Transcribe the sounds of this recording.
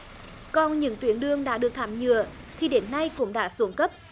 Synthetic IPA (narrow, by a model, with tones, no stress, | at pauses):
kɔ˧nɲɨ̰˧˥ŋt̪wi˨˦ənɗɨ˧əŋɗa̰ː˧˥ɗɨ˨˩ək̚t̪ʰaː˧˩mɲɨ˧˨ə | t̪ʰi˨˩ɗe˨˦nːa˧jkʊ̰˧˥ŋ͡mɗa̰ː˧˥su˨˦əŋkə˦˥p̚